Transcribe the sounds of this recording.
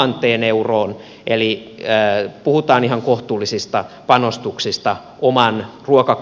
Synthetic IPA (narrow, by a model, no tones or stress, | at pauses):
ɑnt̪ˑeːneuroːn | ʔeliː | puhut̪ɑːnihɑŋkoht̪uːlːˑisist̪ɑpɑnost̪uksist̪ɑ | ʔomɑnruokɑk